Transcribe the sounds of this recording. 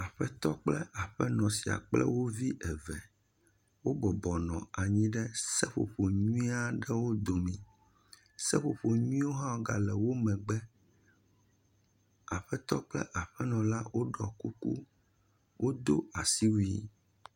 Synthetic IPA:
a˨ɸɛ˦t̪ɔ˦k͡plɛ˦ʔa˨ɸɛ˦nɔ̃˨si˨a̰˨k͡plɛ̰˦wo˦vi˦ʔɛ˨vɛ̰˨ | wo˦ɡ͡bɔ˨bɔ˨nɔ̃˨a˨ɲĩ˦ɖɛ˦sɛ˦ɸo̰˨ɸo˨ɲũ˦ĩ˦a˦ɖɛ˦wo˦d̪o˨mĩ˨ | sɛ˦ɸo˨ɸo˨ɲũ˦ĩ˦wo˦ɦã˦o˦ɡa̰˨lɛ˨wo˦mɛ̃˨ɡ͡bɛ˦ | a˨ɸɛ˦t̪ɔ˦k͡plɛ̰˦ʔa˨ɸɛ˦nɔ̃˨la˦wʔo˦ɖɔ˨ku˦kṵ˦ | wʔo˦d̪o˦a˨si˦wu˦i˦

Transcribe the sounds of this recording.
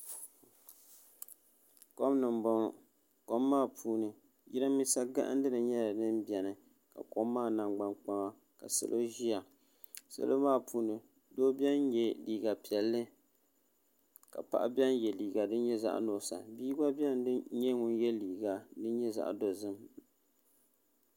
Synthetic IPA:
ko˦mnɨ˨m˦bɔ˦ŋ˨ | ko˦mːaː˦˨pʰuː˦nɨ˨ | ji˦ɾa˦mi˦sa˦ɡa̰˦ʔa̰˦n˦dɨ˦nɨ˨ɲɛ˦la˨nɨ˦mbi˨ɛ˨nɨ˨ | ka̰˨ko˦mːaː˦˨na˨ŋɡ͡ba˦nk͡pa˦ŋa˦ | ka̰˨sɨ̰˨lʔo˦ʒi˦a˨ | sa̰˦lʔo˦maː˦˨pʰuː˦nɨ˨ | doː˦bi˦ɛ˦n˦jɛ˦liː˨˦ɡa˨pi˨ɛ˨lːɨ˦ | ka̰˨pa̰˨ʔa˦bɛ˦n˦jɛ˨liː˨ɡa˨dɨ˦nɲɛ˦za̰˨ʔno˨˦˨sa̰˨biː˦ɡa˦bɛ˦n˦ɨ˦ɲɛ˦ŋʊ˦n˦jɛ˦liː˨ɡa˨dɨ˦ɲɛ˦za̰˨ʔdo˨zɨ˦m

